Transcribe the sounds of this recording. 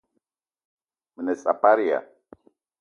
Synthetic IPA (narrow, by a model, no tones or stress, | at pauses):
mənesʼa̰paɾia̰